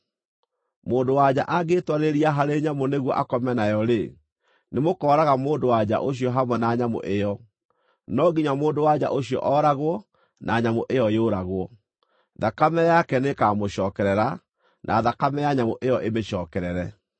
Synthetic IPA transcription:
moːndowad͡ʑa̰ʔaɡetwaɾeɾiaɦaɾeɲamoneɣwɔʔakɔmɛnajɔɾe | nemokɔːɾaɣamoːndowad͡ʑa̰ʔoɕ̬iɔɦamwɛnaɲamo̰ʔejɔ | nɔɣiɲwamoːndowad͡ʑa̰ʔoɕiɔ̰ʔɔːɾaɣwɔ | nʔaɲamoʔejɔjoɾaɣwɔ | ðakamɛjakɛnekaːmoɕɔːkɛɾɛɾa | nʔa̰ðakamɛjaɲamoʔejɔʔemeɕɔːkɛɾɛɾɛ

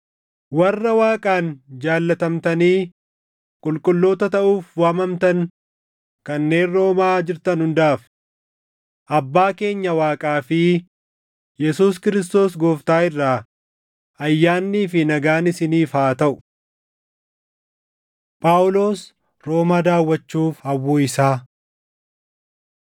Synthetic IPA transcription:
wɐrːɐwaːkʼaːnd͡ʒaːlːɐt̪ɐmt̪ɐniː | kʼʊlkʼʊlːo̞ːt̪ɐt̪ɐʔuːfwaːmɐmt̪ɐŋ | kɐnːe̞ːnro̞ːmaːd͡ʒɪɾt̪ɐnhʊnd̪aːf | ʔɐbːaːke̞ːɲːɐwaːkʼaːfɪ | jɛsuːskɪɾɪs̬t̪o̞ːsɡoːft̪aːɪrːaː | ʔɐjːaːnːiːfɪnɐɡaːnɪsɪniːfaːt̪ɐʔʊ̥ | pʼaːʊlo̞ːs | ɾo̞ːmaːd̪aːwːɐt͡ʃːuːfhɐwːoːɪsaː

